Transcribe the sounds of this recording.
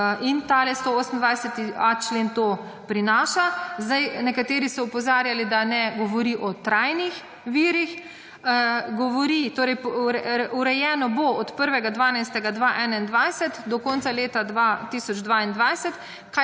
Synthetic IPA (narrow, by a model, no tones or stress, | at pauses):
int̪aːlɛst̪ooːsm̩nd̪ʋajsɛt̪iat͡ʃleːnt̪o | pɾinaːʃazd̪ajnɛkat̪eːɾisɔɔpɔzaːɾjalid̪anɛɡɔʋɔɾiʔɔt̪ɾajnix | ʋiːɾix | ɡɔʋɔɾit̪oːɾɛjɾuɾɛjɛːnɔboɔt̪pəɾʋɛɡad̪ʋaːnajst̪ɛɡad̪ʋaʔɛːnaind̪ʋajsɛt̪d̪ɔkɔnt̪saleːt̪ad̪ʋat̪iːsɔd͡ʒd̪ʋaind̪ʋajsɛt̪ | ka